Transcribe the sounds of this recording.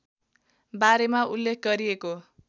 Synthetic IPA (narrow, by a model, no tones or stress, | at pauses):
baɾemaulːek̚ʰɡʌɾieko